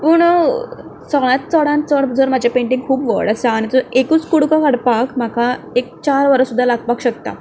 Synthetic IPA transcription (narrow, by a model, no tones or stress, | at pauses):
puɳ | sɔɭat̪̚t͡sɔɽãnt͡sɔɽd͡zʱəɾmad͡ʑʱapẽɳʈĩŋɡkʰuːpʋə̰ɽəsaːñit̪əekut͡skuɽkakaɽpakm̤aka | ek̚t͡ɕaɾʋəɾəsud̪ʱːalaɡpakɕək̚t̪a̰